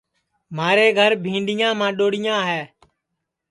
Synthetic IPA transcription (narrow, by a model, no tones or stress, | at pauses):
maːɾeːɡʱəɾbʱĩːɳɖɪjãːmãːɗoːɽɪjãːɦɛː